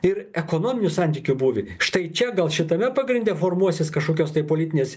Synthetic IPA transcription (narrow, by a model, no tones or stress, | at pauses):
ɪɾɛkoːnoːmʲɪnʲʊsɑnʲt̪ʲiːkʲʊbuːʋʲɪʃt̪ɐɪt͡ʃʲɛɡɐlˠʃʲɪt̪ɐmʲɛpɑɡɾʲɪnd̪ʲɛfoːrmuɔsʲɪskɐʃkoːkʲoːst̪ɐɪpoːlʲiːt̪ʲɪnʲeːs